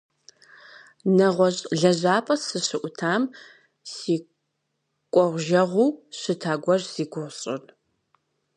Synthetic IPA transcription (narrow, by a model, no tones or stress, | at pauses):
nɐʁʷɔɕʼɮɐʑaːpʼɐsɨɕɨʔʷʊtʰaːm | siː | kʷʼɔʁʷʒɐʁʷuwɕɨtʰaːɡʷɔrziːɡʷʊʁɕʼɪ̰n